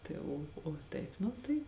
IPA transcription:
ˈtɐɪ oː oː ˈtɐɪp ˈnʊ tɐɪ

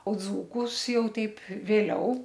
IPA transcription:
oː d͡zuːˈkʊs ˈjɛʊ ˈtʲɛɪp ʋʲeːˈlʲɛʊ

